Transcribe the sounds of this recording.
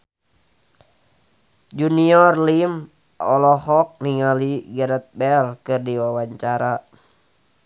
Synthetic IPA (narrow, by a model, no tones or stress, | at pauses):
d͡ʒuniɔrlim | ɔlɔhɔk̚niŋaliɡaɾət̪̚bɛlkɨrdiwawaɲt͡ʃaɾa